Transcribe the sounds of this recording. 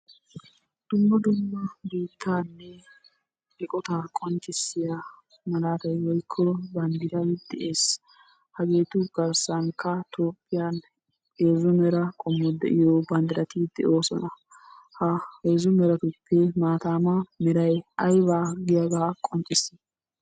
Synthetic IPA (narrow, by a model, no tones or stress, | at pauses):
d̪̥ʊmːɐd̪ʊmːɐbiːt̪ʰːaːnːɛ | ɪkʼɔt̪akʼɔnt͡ʃʼɪsːɪja | mɐlaːt̪ɐjwɔjkʰːɔbɐnd̪ɪɾɐjd̪ɛʔe̞ːs | hɐɡe̞ːt̪ʊɡɐɾsaŋkʰːɐt̪ʰoːpʼːɪjan | eːzʊmɛɾɐkʼɔmːɔd̪ɛ̰ʔɪjobɐnd̪ɪɾɐt̪id̪̥ɛ̰ʔo̞ːsɔ̰nɐ | hɐheːzʊmɛɾɐt̪ʊpːɛmaːt̪aːmɐmɛɾɐjɐjbaːɡɪjɐɡaːkʼɔnt͡ʃʼːɪsːɪ